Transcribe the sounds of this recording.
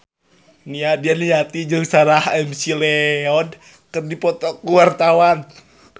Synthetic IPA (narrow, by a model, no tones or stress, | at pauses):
niadialiat̪id͡ʒɨŋsaɾahɛmsilɛɔn | kɨrdipɔt̪ɔkːuwart̪awan